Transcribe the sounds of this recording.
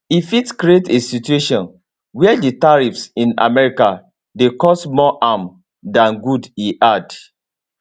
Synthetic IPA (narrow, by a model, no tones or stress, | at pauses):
ifitkɾietesitueʃɔ̃n | wɛditaɹifsĩna̰mɛɹika | dekɔstmɔʔam | dãnɡudiʔad